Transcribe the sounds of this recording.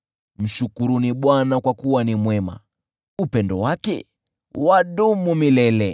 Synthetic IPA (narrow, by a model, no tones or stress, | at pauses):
m̩ʃukuɾuniɓwanakwakuwanimwɛma̰ | upɛndɔwakɛ̰ | waɗumumilɛlɛ